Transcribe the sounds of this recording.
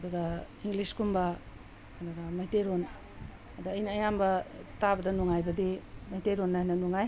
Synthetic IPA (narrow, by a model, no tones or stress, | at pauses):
ɐduɡɐ | iŋɡliskumbɐː | duɡɐmajteɾon | adaːjnɐːjambɐtabɐdɐnuŋajbɐdimajteɾonːanɐnuŋaj